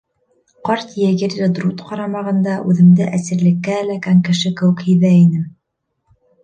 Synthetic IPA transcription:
qɑɾt̪jæɡɘɾlɘd̪rut̪qɑɾɑmɑʁɤ̆nd̪ɑʔʉðɘ̆md̪ɘʔæsɘ̆ɾlɘ̆kːæːlækæŋkɘ̆ʃɘkɘ̆wɘ̆khɘ̆jðæinɘm

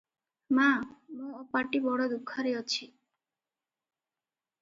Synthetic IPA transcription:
mamõːpaʈibɔɽɔd̪ukʰːɔɾeɔt͡ʃʰi

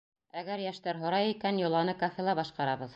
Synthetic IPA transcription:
æɡæɾjæʃt̪æɾɦŏɾɑjikænjŏlˠɑnɤkofʲelˠɑbɑʃqɑɾɑbɤð

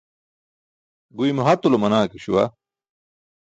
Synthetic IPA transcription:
ɡuimuɦɐt̪ulomɐnaːkiɕuwɐ

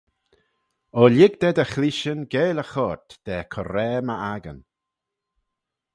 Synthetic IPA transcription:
ɔlɪɡd̪ɛd̪əxliʃənɡeːləxɔɹt̪d̪̥ɛːkʰɔɾɛːməʔaɡə̰n

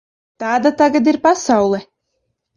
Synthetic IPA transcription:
t̪aːd̪at̪aɡad̪iɾpasawlˠɛ

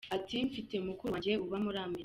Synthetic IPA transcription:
atiɱfite̞mukuuweuβamuɾaːme

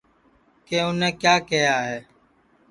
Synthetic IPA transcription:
keːʊnẽːkjaːkejaːɦeː

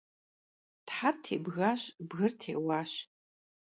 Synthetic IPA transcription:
tħartʰḛːbɣaːɕbɣɨrtʰḛːwaːɕ

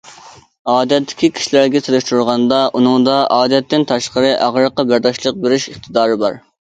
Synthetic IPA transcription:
ɑːd̪ɛt̪ʰːɪ̥kʲikʲʰi̥ʃilæɾɡʲɛselˠɪʃt̪uɾʁɑnd̪ɑʔunɨŋd̪ɑʔɑːd̪ɛt̪ːɪnt̪ʰɑʃqəɾɨʔæʁɾəqːɑbæɾd̪ɑʃlˠəq̚beɾɪʃəχt̪ʰɨd̪ɑːɾɨbɑ̰ɾ

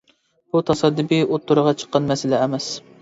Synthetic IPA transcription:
b̥ut̪ʰɑsɑd̪ːɨbiot̪ːuɾəʁɑt͡ʃʰə̥qːɑnmɛsɪlɛːmɛs

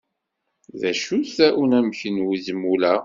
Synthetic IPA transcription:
ðæʃuθæʔunæmçənwizmulæ

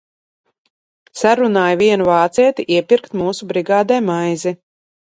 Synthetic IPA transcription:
saɾunaːjviɛnuvaːt̪siɛt̪iʔiɛpʲiɾkt̪muːsubɾiɡaːd̪ɛjmajzi

